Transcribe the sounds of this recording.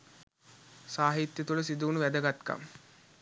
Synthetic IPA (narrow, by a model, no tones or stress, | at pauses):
saːɦit̪jɐt̪uləsid̪uːnuʋæd̪əɡat̪ka̰m